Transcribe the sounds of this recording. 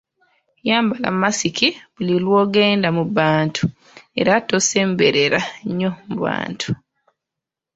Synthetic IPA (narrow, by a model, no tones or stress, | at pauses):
jaːmbala̰mːasikʰiβulilwo̞ːɡe̞ːndamuβaːntʰu̥ | e̞̰ɾatose̞ːmbe̞ɾe̞ɾaeɲːo̞muβa̰ːntʰu̥